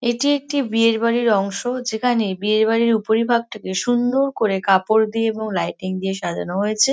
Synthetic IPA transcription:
eʈiek̚ʈibieɾbaɾiɾɔŋʃod͡ʑekʰanebieɾbaɾiɾupoɾibʱaɡ̚ʈakeʃund̪oɾkoɾekapoɾd̪ieeboŋlajʈiŋd̪ieʃad͡ʑʱanoɦojet͡ɕʰe

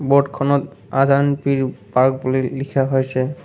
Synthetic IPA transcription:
bɔdkʰɔnɔtazanpiɹpaɹk̚bulilikʰaɦojsɛ

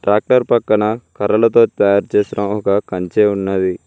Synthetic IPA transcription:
ʈɾaːk̚ʈɐɾpɐkːɐɳɐkɐɾɐlɐt̪o̞ːt̪ɐjaːɾt͡ʃeːsiɽɐmɔkɐkɐɲt͡ʃe̞ːunːɐd̪i

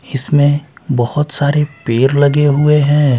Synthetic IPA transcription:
ɪsmẽbɐhʊt̪saːɾepeːɾlɐɡeɦʊeɦɛ̃ː

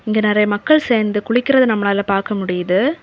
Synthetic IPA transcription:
ɪŋɡɐnɪɾɐjɐmɐkːɐɭseːɾnd̪ɯkʊɭɪkːɪɾɐðɯnɐmːɐnaːɪlɐpaːɾkɐmʊɽɪjɐðɯ

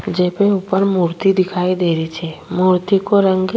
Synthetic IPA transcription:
d͡ʒepẽupəɾmuɾt̪id̪ikʰaid̪eɾit͡ʃʰemuɾt̪ikoɾəŋɡ

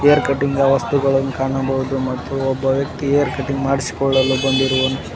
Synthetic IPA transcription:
ejɐɾkɐʈːiŋɡɐʋɐst̪uɡɐɭɐnːukaːɳɐbɐɦud̪umɐt̪ːuɔbːɐʋjɐk̚t̪iejɐɾkɐʈːiŋɡmaːɽisi̥kɔɭːɐlːubɐnd̪iɾuʋonːu

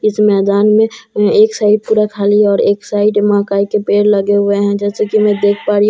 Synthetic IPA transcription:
ɪsmɛːd̪aːnmẽeːksaːɪɖ̚puːɾakʰaːliɔːɾeːksaːɪɖmãːkaːikepeːɽləɡeɦʊeɦɛ̃d͡ʒɛːsekimɛ̃d̪eːkʰpaːɾi

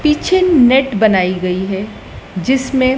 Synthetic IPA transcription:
piːt͡ʃʰenɛʈbɐnaːiɡɐiɦɛ | d͡ʒɪsmẽ

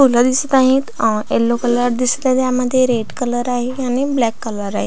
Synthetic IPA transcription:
t̪ul̤əd̪isət̪aɦẽt̪elːokələɾd̪isə̥t̪aẽt̪jaməd̪ʱːjeɾeɽkələɾaɦeaɽ̃iblɛkːələɾaɦe

